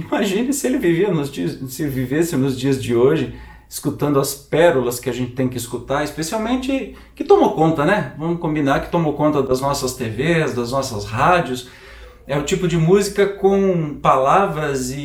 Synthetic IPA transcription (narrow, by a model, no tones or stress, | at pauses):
imaʒĩnɪsɪelɪviviɐnʊzd͡ʒisɪelɪvivesɪnʊzd͡ʒiɐzd͡ʒɪoʒɪ | ɪskut̪ɐ̃nd̪ʊɐspɛɾʊlɐskɪaʒẽnt͡ʃɪt̪ẽj̃kɪiskut̪aɾɪspesiawmẽnt͡ʃɪ | kɪt̪õmokõnt̪ɐnɛvɐ̃mʊkõbinaɾkɪ̥t̪õmokõnt̪ɐd̪ɐznɔsɐst̪evezd̪ɐznɔsɐshad͡ʒjʊs | ɛʊt͡ʃipʊd͡ʒɪmuzikɐkõw̃palavɾɐzɪ